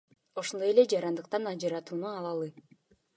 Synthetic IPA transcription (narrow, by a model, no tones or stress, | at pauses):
o̞ʃond̪o̞je̞le̞d͡ʒɑɾɑnd̪ɯqt̪ɑnɑd͡ʒɯɾɑt̪uːnuɑlˠɑlˠɯ